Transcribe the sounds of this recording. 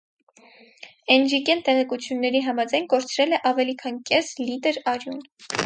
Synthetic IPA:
ɛnd͡ʒikɛnt̪ɛʁɛkut͡sʰjunːɛɾiɦɑmɑd͡zɑjnkɔɾt͡sʰɾɛlɛʔɑvɛlikʰɑnkɛslit̪ɛɾɑɾjun

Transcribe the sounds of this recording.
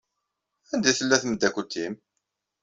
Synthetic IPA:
ænd̪iθəlːæθməd̪ːækʷət̪ʰːim

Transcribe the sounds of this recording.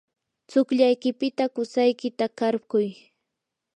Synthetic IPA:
t͡sʊkʎajkɪpɪt̪akʊsajkɪt̪akaɾkʊj

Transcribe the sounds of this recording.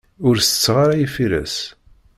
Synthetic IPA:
ʊɾsət͡sːʁaɾajifiɾæ̰s

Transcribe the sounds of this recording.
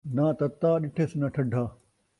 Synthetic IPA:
naːt̪ɐt̪ːaːɗɪʈʰeːsnɐʈʰɐɖʱaː

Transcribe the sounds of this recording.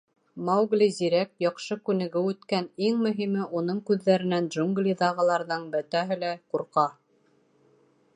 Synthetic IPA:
mɑwɡlʲiziɾæk̚jɑqʃɤkʉnɘ̆ɡɘʉt̪kæniŋmɵ̆ɦimɘʔunɤɴkʉðːæɾɘ̆nænd̪ʒuŋɡlʲiðɑʁɤ̆lˠɑɾðɤɴbɘ̆t̪æɦɘ̆læquɾqɑ

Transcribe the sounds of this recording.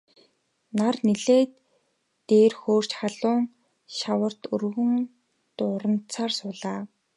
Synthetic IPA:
narniɮeːt̪ː | eːrxoːr̥t͡ɕχaɮʊːŋ | ʃawə̆r̥t̪ɵrɣɵ̆ŋ | t̪ʊɾə̆n̥t͡sʰaːrsʊːɮaː

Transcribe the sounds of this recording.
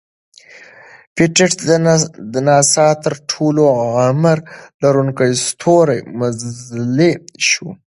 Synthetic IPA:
pɪʈɪʈ | d̪ənɑsɑt̪əɾʈʰoloaməɾlaɾuŋkajst̪ʰoɾajmazzleʃu

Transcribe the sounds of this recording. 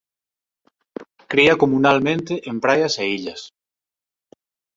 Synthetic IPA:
kɾiakomunalmẽnt̪eʔempɾajaseiʎas

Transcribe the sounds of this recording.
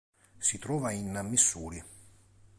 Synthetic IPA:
sit̪ɾɔːvainmisːuːɾi

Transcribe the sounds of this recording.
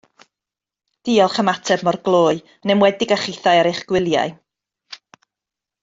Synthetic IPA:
d̥iːɔlˠχəmatʰɛbmɔrɡlˠoːɨ | nɛmwɛdɪɡaχɪθajɛɾejχɡ̥wɪlˠja̰ɨ

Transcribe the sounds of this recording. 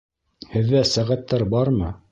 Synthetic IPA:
hɘ̆ðːæsæʁæt̪ːæɾbɑɾmɤ

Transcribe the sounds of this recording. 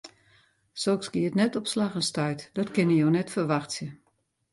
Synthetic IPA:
soksɡiətnɛtɔpslaxənstœjtdɔtkɪnəjonɛtfərʋaxtsjə

